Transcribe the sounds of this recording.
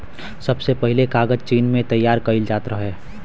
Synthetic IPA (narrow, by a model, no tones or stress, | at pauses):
sɐbsepəɦɪlekaːɡəd͡ʒt͡ʃiːnmẽt̪ɐjːaːɾkɐɪld͡ʒaːt̪ɾəɦɦɛː